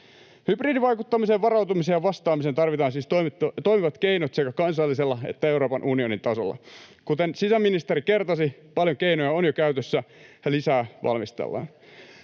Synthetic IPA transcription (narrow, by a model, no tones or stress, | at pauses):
hybriːdiʋɑjkut̪ːɑmiseʋʋɑɾɑuwt̪umisejɑʋɑst̪ɑːmisent̪ɑrʋit̪ɑːnsiːst̪ot̪o̞jmiʋɑt̪keinot̪sekækɑnsɑlːiselːɑḛt̪ːæeuɾo̞ːpɑnʔunio̞nint̪ɑso̰lːɑ̰kut̪ensisæmːinist̪eɾike̞rt̪ɑsipɑljoŋkejnojɑonjokæyt̪øsːæjɑlisæːʋʔɑ̰lmist̪ḛlːɑ̰ːn